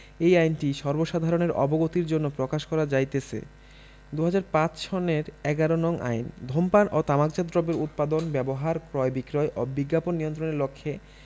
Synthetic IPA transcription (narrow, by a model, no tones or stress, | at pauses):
ejajnʈiʃɔɾboʃad̪ʱaɾoneɾɔ̰boɡot̪iɾd͡ʑonːopɾokaʃkɔɾad͡ʑajt̪et͡ɕʰḛ | d̪uɦad͡ʑaɾpãt͡ɕʃɔneɾɛɡaɾonɔŋʔa̰jnd̪ʱompanʔot̪amakd͡ʑad̪ɾobeɾut̪̚pad̪onbɛboɦaɾkɾɔebikɾɔeʔɔbiɡːaponːijont̪̬ɾoneɾlokʰːe